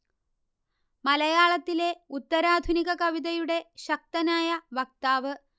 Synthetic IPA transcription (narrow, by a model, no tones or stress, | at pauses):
mɐlɐjaːɭɐt̪ːile̞ut̪ːɐɾaːd̪ʱuniɣɐkɐʋid̪ɐjuɽe̞ɕɐk̚t̪ɐnaːjɐʋɐk̚t̪aːʋɨ